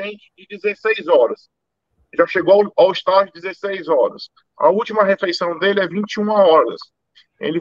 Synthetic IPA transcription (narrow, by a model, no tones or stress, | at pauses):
ẽnt͡ʃɪ̥d͡ʒɪd͡ʒɪzesejzɔɾɐs | ʒaʃeɡoawist̪ad͡ʒʊɪd̪ɪzesejzɔɾɐ̰s | ɐ̰ut͡ʃimɐɦeflejsɐ̃w̃d̪elɪɛvĩt͡ʃiũmɐɔɾɐ̰s | ḛlɪ